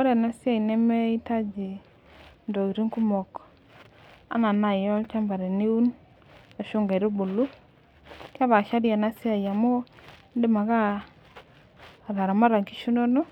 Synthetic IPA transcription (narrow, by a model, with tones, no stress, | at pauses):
ɔ˦ɾɛ˨na˦sɪ˦a˨i˨nɛ˦mɛ˦i˦ta˦d͡ʒi˨ | ndo˨i˨ɾi˦ŋku˦mɔ˨k | a̰˨˦na˨na˨jɔ˦lt͡ʃa˦mba˨ɾe˨ni˦u˦n | a˨ʃu˦ŋɡa˨ɾo˦bu˨lu˦ | ka˦βa˨ʃa˦dja˨na˦si˦a˨ja˨mo˦ | ndɪ˦˨ma˨ka˦˨ | ɾa˨ɾa˨ma˦ɾa˨ŋki˦ʃu˦no˦no˦